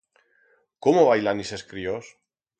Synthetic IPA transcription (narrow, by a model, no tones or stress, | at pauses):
komoβajlaniseskɾios